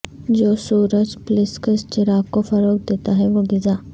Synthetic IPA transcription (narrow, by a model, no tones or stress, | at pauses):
d͡ʒoːsuːɾət͡ʃplɪskəst͡ʃɪɾaːɡkofɐɾoːk̚d̪eːt̪aɦɛʋoɡɪzaː